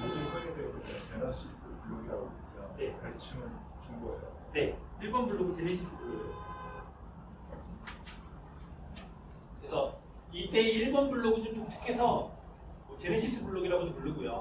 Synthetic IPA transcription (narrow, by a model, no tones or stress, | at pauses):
iesʰaoŋdesʰʌotenas͈ʰis͈ʰɯpuɭːoɡiɾaɡouɡijʌne̞at͡ɕʰimɯn | t͡ɕuŋɡʌḛjo | ne̞iɭbʌnbuɭːoɡɯt͡ɕeɾeɕʰis͈ɯbuɭoo | kɯɾesʰʌ | it͈e̞iɭbʌnbuɭːoɡɯt͡ɕomt͈ot͡ɕʰɯ̥kʰe̞sʰʌ | mʌt͡ɕeɾeɕʰis͈ɯpuɭːoɡiɾaɡodopuɭːɯɡujo̰